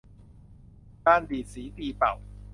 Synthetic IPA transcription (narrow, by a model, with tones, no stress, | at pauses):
kaː˥˩nt̪iː˨˩t̪̚siː˩˦t̪iː˧pa̰˨˩w